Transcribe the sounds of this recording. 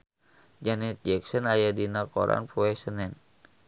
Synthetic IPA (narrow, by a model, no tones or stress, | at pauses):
d͡ʒanɛt̪̚d͡ʒɛksɔnajadinakɔɾa̰npuɛsənɛn